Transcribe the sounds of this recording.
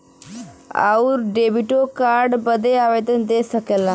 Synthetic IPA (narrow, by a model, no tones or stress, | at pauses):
a̰uɾɖebiʈokaɾɖbəd̪ʱeaʋed̪ənd̪esəkɛla